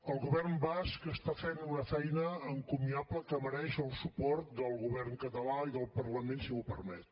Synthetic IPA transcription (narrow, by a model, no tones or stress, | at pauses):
əlˠɣuβɛrmbaskəst̪afenunəfɛjnəːŋkumiapləkəməɾɛʃəlˠsupɔɾt̪̚d̪əlˠɣuβɛrŋkət̪əlaiðəlˠpərləmẽnsiupəɾmɛt̪